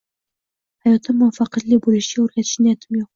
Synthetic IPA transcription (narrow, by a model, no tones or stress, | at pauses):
hajɒt̪ʰɪmːʊfɑqɑt̪lɪbolɪʃɡʲæɵɾɡʲat̪ʰɪ̥ʃɪnjæt̪ʰɪmjoq̚